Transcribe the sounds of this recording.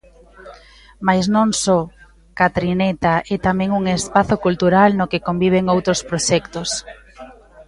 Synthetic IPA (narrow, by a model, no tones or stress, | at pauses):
majznõŋsɔ | kat̪ɾinɛt̪aʔɛt̪amɛ̃ŋuŋespaθokult̪uɾalnokekombiβ̞eŋowt̪ɾospɾoʃɛkt̪os